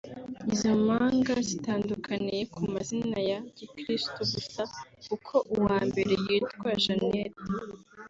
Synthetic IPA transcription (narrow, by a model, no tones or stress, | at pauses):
izomaːŋɡazitaːndukʰanijekʰumazinajaɟikɾistuɡusakukʰo̞ʔuwaːmbe̞ɾe̞jiːtwaʒaneɾ